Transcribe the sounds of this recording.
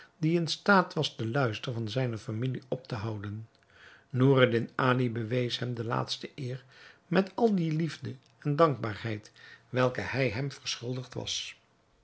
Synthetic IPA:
diɪnstaːtʋɑzdəlœɥstəɹvɑnzɛjnəfamiliɔp̚təɦɑwdənː | oːradɪnaːlibəʋejsɦɛmdəla̰ːtstəʔɪːrmɛtɑlˠdilivdə | ɛndɑŋɡ̚baːɹhɛjtʋɛlˠkəhɛjɦɛmv̥ərsχʏlˠdəχtʋɑ̰s

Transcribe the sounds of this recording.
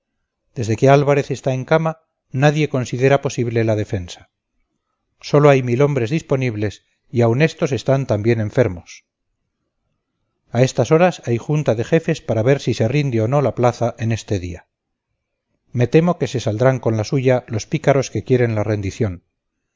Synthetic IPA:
d̪̥e̞zðe̞ke̞alβaɾe̞θe̞st̪ae̞ŋkama | naðje̞ko̞nsiðe̞ɾapo̞siβle̞lað̞e̞fe̞nsḁ | so̞lo̞ajmilo̞mbɾe̞zðispo̞niβle̞s | iaune̞st̪o̞se̞st̪ant̪ambje̞ne̞ɱfe̞ɾmo̞s | ae̞st̪aso̞ɾasajxunt̪aðe̞xe̞fe̞spaɾaβe̞ɾsise̞rind̪eo̞no̞laplaθaʔe̞ne̞st̪e̞ðia | me̞t̪e̞moke̞se̞sald̪ɾaŋko̞nlasuʝalo̞spikaɾo̞ske̞kje̞ɾe̞nlare̞nd̪iθjo̞n

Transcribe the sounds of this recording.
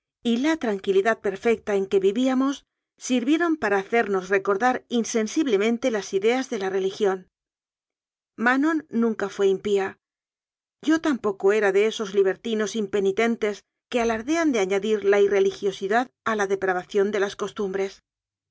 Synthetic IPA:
ilat̪ɾaŋkiliðað̚pe̞ɾfe̞k̚t̪ae̞ŋke̞βiβiamo̞sː | iɾβje̞ɾo̞mpaɾaːθe̞ɾno̞sre̞ko̞ɾðaɾinse̞nsiβle̞mẽnt̪e̞lasiðe̞azðe̞lare̞lixjo̞n | mano̞nːũŋkafwe̞impia | ɟ͡ʝo̞t̪ampo̞ko̞e̞ɾaðe̞e̞so̞zliβ̞e̞ɾt̪ino̞simpe̞nit̪e̞nt̪e̞s | ke̞alaɾðe̞and̪e̞aɲaðiɾlaire̞lixjo̞siðaðalaðe̞pɾaβaθjo̞nd̪e̞lasko̞st̪umbɾe̞s

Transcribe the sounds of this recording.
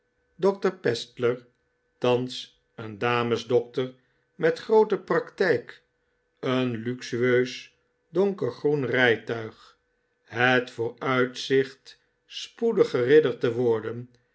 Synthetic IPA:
dɔk̚təɹpɛstləɹ | tɑns | əndaːməzdɔk̚təɹ | mɛtχrowtəprɑktɛjk | ənlyksyøɥs | dɔŋkəɹχrunrɛjtœɥχ | ɦətfʊːɹœɥtsɪχt | spudəχərɪdəɹtəʋʊɹdən

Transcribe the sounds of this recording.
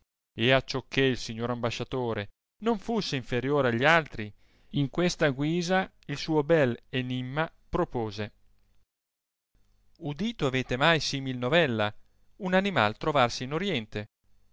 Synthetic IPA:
eat͡ʃːokʰːeilsiɲːoːɾambaʃːat̪oːɾe | noɱfusːeiɱfeɾjoːɾeaʎːialt̪ɾi | iŋkwest̪aɡwiːza | ilsuːobɛlenimːapɾopoːze | ud̪iːt̪oaveːt̪emajsiːmilnovɛlːa | unanima̰lt̪ɾovarsiːnoɾjɛnt̪e

